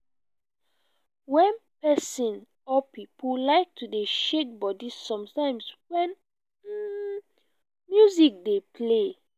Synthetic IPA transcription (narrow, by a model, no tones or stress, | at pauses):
wɛ̃npɛsĩn | ɔpipulaɪk̚tʰudeʃek̚bɔdisɔ̃mtãɪ̃mswɛ̃n̩ | mjuzik̚depʰle